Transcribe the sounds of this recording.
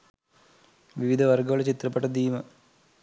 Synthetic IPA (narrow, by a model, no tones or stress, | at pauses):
ʋiʋid̪ʱɐʋɐrɡɐʋɐɭet͡ɕit̪rɐpːeʈːɐd̪iːmɐ